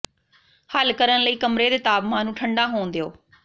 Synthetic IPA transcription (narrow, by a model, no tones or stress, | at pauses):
həlkəɾənləiːkəmɾeːd̪eːt̪aːbmãːnũːʈʰəɳɖaːɦoːnd̪eo̰ː